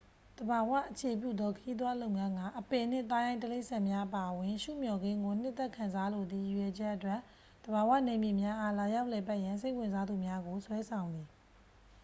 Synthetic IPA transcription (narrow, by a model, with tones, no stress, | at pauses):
d̪̥əba˨wa̰˦˨ʔət͡ɕʰe˨p̬jṵ˦˨d̪ɔ˦kʰə˨ji˦d̪̬wa˦lo˦ʊʔŋã˦ŋɡa˦˨ʔəpe˨n̥ɪ̰̃˦˨t̪̬a˦jã˦ɪ̃təle˦ʔsã˨mja˦ʔəpa˨ʔəwɪ̃˨ʃṵ˦˨mjɔ˨ɡẽ˦ŋɡo˨n̥ɪ˦ʔt̪ːɛ˦˨kʰã˨nza˦lo˨d̪ðḭ˦˨ju˨jɛ˨d͡ʑɛ˦ʔːətwɛ˦˨ʔ | d̪̥əba˨wä̰˦˨nẽ˨mji˨mja˦ʔa˦la˨ja˦ʊʔlɛ˨pɛ˦ʔjã˨ns̬e˦ɪʔwɪ̃˨nza˦d̪u˨mja˦ɡo˨swɛ˦sʰã˨ʊ̃nd̪ði˨